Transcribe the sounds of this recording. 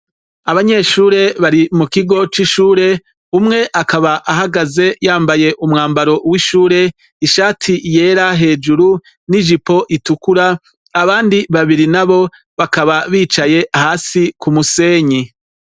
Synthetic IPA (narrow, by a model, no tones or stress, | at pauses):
aβaɲe̞ʃuːɾe̞βaɾimukiɡo̞t͡ʃiʃuːɾe̞ | umŋe̞ʔakʰaβaʔaɦaɡaze̞jaːmbaje̞ʔumŋaːmbaɾo̞wiʃuːɾe̞ | iʃaːtʰije̞ːɾaɦe̞ːd͡ʒuɾu | niʒipo̞ʔitukuɾaː | βaːndiβaβiɾinaβo̞ | βakaβaβiːt͡ʃaje̞haːsikumuse̞ːɲi